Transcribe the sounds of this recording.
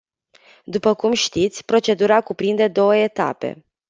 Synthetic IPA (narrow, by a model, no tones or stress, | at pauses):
d̪upəkumʃt̪it̪sʲpɾo̞t͡ʃe̞d̪uɾakupɾind̪e̞d̪o̞wəe̞t̪a̰pe̞̰